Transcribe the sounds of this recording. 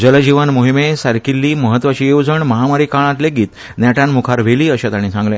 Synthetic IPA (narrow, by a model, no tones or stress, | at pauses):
d͡ʑələd͡ʑiʋanmoɦimesaɾkilːiːməɦət̪ːʋat͡ɕiːjod͡zəɳməɦamaɾiːkaɭ̃ãt̪leɡiːt̪ | njaʈanmukʰaɾʋ̤eliːəɕət̪aɽ̃isãŋɡlẽ